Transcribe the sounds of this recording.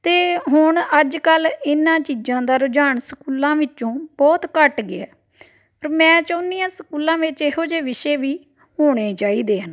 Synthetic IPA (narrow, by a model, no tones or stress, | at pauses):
t̪eːɦʊɳəd͡ʒkəlɪnãːt͡ʃiːd͡ʒãːd̪aːɾʊd͡ʒaːɳsəkuːlãːʋɪt͡ʃõːbɔːt̪kəʈɡɪɛ̰ː | əɾmɛ̃ːt͡ʃəʊnijãːsəkuːlãːʋɪt͡ʃɪɦoːd͡ʒeːʋɪʃeːʋiː | hoːɽ̃eːt͡ʃaːiːd̪eːɦən